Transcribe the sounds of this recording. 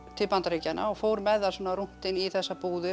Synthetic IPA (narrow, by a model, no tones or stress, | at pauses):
t̪ʰɪlpant̪aɾejcanʔa̰ɔɣfoːwɾmɛðasɔːnaɾun̥t̪ɪniθɛsːapuːðʏ